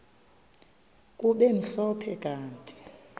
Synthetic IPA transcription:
kʼuɓem̩ɬɔpʰɛkʼaːntʼi̥

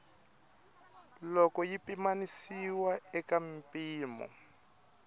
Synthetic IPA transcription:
lɔkɔjipimanisiwaɛkam̩piːmɔ̰

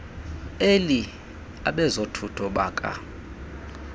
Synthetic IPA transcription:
eli | aɓɛzotʰutʰɔɓaːkʼa̰

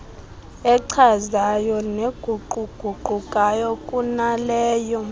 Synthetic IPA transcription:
ɛǀʰazajɔneɡ̥ʱuɡ͡ǃʱuɡ͡ǃ̥ʱuɡ͡ǃʱukʼajɔkʼunalɛːjɔ

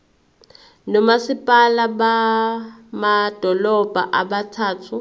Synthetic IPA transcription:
nɔmasipʼalaba | mad̥ʱɔlɔb̥ʱa̰ʔabatʰaːtʰu

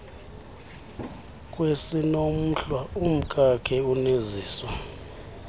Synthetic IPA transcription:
kʼwesinom̩ɬwaum̩kʼakʰɛuniziːswa

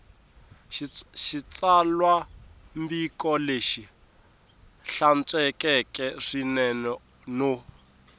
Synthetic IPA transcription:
ʃit͡salwa | mbikʼɔleʃi | ɬant͡sʼwɛkʼɛkʼɛʂinɛnɔ | no

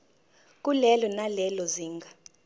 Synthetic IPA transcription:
k̬ʼulɛlɔnalɛlɔziːŋɡʱa

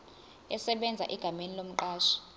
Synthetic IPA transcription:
ɛsɛɓɛnd͡zʱa̰ʔiɡ̥ʱamenilom̩ǃaːʃi̥

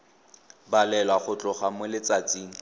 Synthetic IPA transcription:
balɛlwaχʊt͡ɬʼʊχamʊlɪt͡sat͡sʼiːŋ̩

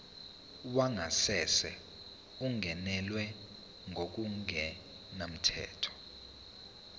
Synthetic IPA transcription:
uwaŋasɛsɛ̰ | uŋʱɛnɛlwɛ | ŋʱok̬uŋʱɛ | nam̩tʰɛ̰ːtʰɔ̥

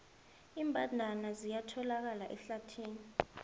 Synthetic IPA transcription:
iːmbʱʼandʱanazijatʰɔlak̬alaʔɛɬatʰiːni

